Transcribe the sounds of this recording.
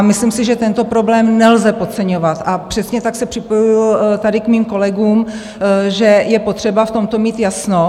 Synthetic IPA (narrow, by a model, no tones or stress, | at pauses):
mɪslimsɪʒɛt̪ɛnt̪o̞pɾo̞blɛːmnɛlzɛpo̞t̪t͡sɛɲo̞vat̪ʔapr̝̥ɛsɲɛt̪aksɛpr̥ɪpo̞juɪlt̪adɪkmiːmko̞lɛɡuːm | ʒɛjɛpo̞t̪r̝̥ɛbaft̪o̞mt̪o̞miːt̪jasno